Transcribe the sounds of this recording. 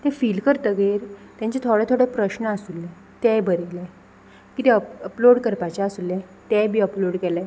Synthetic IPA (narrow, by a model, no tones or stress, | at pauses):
t̪ɛfilkəɾt̪əɡeɾt̪jãɲt͡ɕɛt̪ʰoɽet̪ʰoɽepɾəɕnəasulːɛ̃ | t̪ɛbʱəɾilɛ | kit̪ɛəəploɽkəɾpat͡ɕaəsulːɛ̃ | t̪ɛbʱiːəploɽkɛlɛ